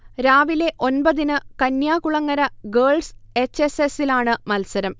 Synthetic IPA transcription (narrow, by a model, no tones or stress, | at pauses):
ɾaːʋile̞ʔo̞nbɐðinɨkɐnjaːkuɭɐŋːɐɾɐɡeːɭse̞t͡ɕːesesilaːɳɨmɐlsɐɾɐm